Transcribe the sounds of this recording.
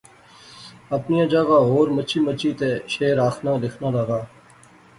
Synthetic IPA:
əpnijãːd͡ʒəɡaːɦoːɾmət͡ʃʰiːmət͡ʃʰiːt̪eːʃeːɾaːkʰnãːlɪkʰnaːləɡaː

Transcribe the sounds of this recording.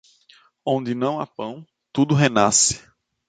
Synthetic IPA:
õnd̪ɪnɐ̃w̃a̰pɐ̃w̃ | t̪ud̪ʊɦenasɪ̥

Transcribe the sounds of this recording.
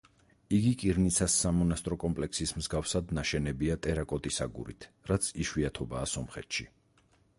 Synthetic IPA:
iɡikʼiɾnit̪sʰasːamɔnast̪ʼɾɔkʼɔmpʼlɛksismzɡafsad̪naʃɛnɛbiat̪ʼɛɾakʼɔt̪ʼisaɡṵɾḭt̪ʰ | ɾat̪sʰiʃwiat̪ʰɔbaːsɔmχɛ̰t̪ʰʃi

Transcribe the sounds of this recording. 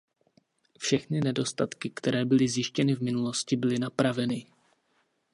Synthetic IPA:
fʃɛxnɪnɛdo̞st̪at̪kɪkt̪ɛɾɛːbɪlɪzjɪʃcɛnɪvmɪnulo̞scɪbɪlɪnapɾavɛnɪ

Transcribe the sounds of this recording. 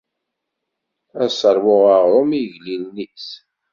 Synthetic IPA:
æsəɾˤwʊʁəʁɾˤomijʝlilnis

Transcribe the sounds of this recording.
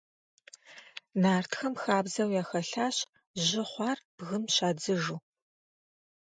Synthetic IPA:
naːrtʰxɐmxaːbzɐwjaːxɐɬaːɕ | ʑɪχʷɑːrb̥ɣɨmɕaːd͡zɨʒuː

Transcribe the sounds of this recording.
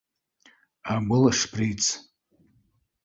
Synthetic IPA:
aɡʷʊlaʂpʰrijt͡sʰ

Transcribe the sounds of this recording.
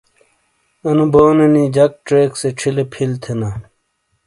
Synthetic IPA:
ɐnuboːnenid͡ʑɐk̚ʈɾeːkseʈ͡ʂʰilepʰilt̪ʰena

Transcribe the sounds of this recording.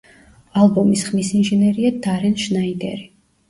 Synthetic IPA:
alˠbɔmisχmisinʒɛnɛɾiad̪aɾɛnʃnaid̪ɛ̰ɾi

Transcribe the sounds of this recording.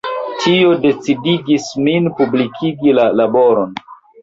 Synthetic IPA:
tʰio̞de̞t͡sidiɡisminpublikʰiɡilalaboɾo̞n

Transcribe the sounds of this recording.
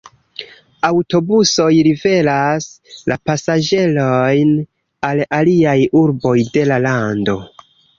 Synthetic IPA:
awto̞buso̞jɾive̞las | lapasad͡ʒe̞lojn | alaliajuɾbo̞jde̞lalando̞

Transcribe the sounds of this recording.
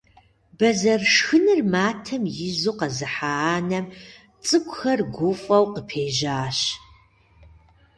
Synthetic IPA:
bɐzɐrʂxɨnɨrmaːtʰɐmjɪzuːqɐzɨħaaːnɐm | t͡sʼɨkʷʼʊxɐrɡʷʊfʼɐwqəpʰeːʒaːɕ

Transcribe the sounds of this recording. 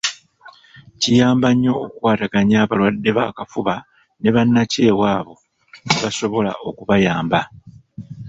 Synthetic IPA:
cijaːmbaɲːo̞ːkwaːtaɡaɲaːβalwadːe̞βa̰kafuβa | ne̞βanːace̞ːwaːβo̞ | neβaso̞βo̞la̰ʔo̞kuβajaːmba

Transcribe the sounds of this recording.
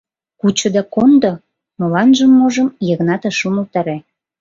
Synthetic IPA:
kut͡ɕŏd̪ɑkond̪o | molɑnʒəmːoʒə̆mjə̆ɣnɑt̪eʃumə̆lt̪ɑɾæ

